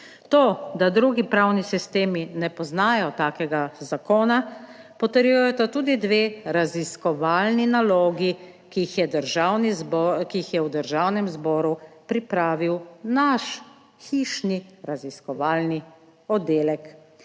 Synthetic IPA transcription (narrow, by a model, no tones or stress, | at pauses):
t̪oːd̪ad̪ɾuɡipɾawnisist̪eːminɛpɔznaːjɔt̪aːkɛɡazakoːna | pɔt̪əɾjujɔt̪at̪uːd̪id̪ʋeːɾaziskɔʋaːlninaloːɡi | kixjɛd̪əɾʒawnizbɔkiixjɛwd̪əɾʒawnɛmzbɔːɾupɾipɾaːʋiwnaʃ | xiʃniɾaziskɔʋaːlni | ɔd̪eːlɛk